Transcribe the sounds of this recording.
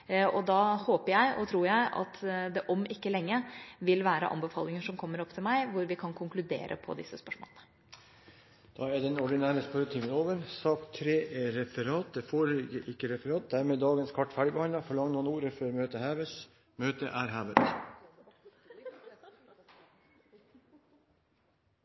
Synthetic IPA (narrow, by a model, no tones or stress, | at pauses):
ʔɔd̪ɑːhoːpəɾjæɪʔɔ̰t̪ʰɾuːɾjæɪɑ̰t̪d̪ɛʔɔmʔɪkːəlɛŋːəʋɪlʋæːɾə̰ʔɑ̰mbəfɑ̰ːlɪŋəʂɔmkʰɔmːəɾɔpːt̪ʰɪlmæɪʋʊɾʋɪkʰɑnkʰʊŋklʉd̪ḛːɾʔə̰pʰɔ̰d̪ɪsːəspœʂmo̰ːlənə | d̪̥ɑːɛd̪ɛnɔɖɪnæːɾəspœɾt̪ʰɪːmənoːʋəɾsɑːkt̪ʰːɾeːeɾɛfəɾɑːt̪̚d̪ɛfoːɾlɪɡəʔɪkːəɾɛfəɾɑːt̪̚d̪æɾmeːd̪ɑːɡənskʰɑʈːfæɖɪbɛhɑnd̪ɑfɔɭɑŋnuːnuːɾəføːɾmøːt̪əhæːʋəs | møːt̪əʔæːɾɦæːʋət̪